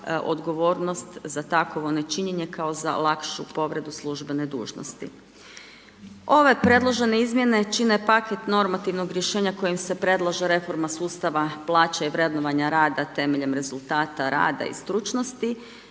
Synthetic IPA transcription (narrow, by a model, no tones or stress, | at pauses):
ʔo̞̰d̪ɡo̞ʋo̞ːɾno̞st̪zat̪akoʋonet͡ʃiɲeɲe̞kao̞za̰lˠakʃupo̞ʋɾe̞d̪uslˠuʒbe̞ne̞d̪ṵːʒno̰st̪ḭ | o̞ʋe̞pɾe̞d̪lˠoʒe̞ne̞izmje̞ne̞t͡ʃinepaket̪no̞ɾmat̪iʋnoɡɾje̞ʃe̞ːɲako̞jimse̞pɾe̞d̪lˠaʒeɾe̞fo̞ɾmasuːst̪aʋaplˠaːt͡ʃaiʋɾe̞d̪noʋaɲaɾaːd̪at̪e̞meʎe̞mɾe̞zulˠt̪aːt̪aɾa̰ːd̪a̰ḭst̪ɾut͡ʃnost̪i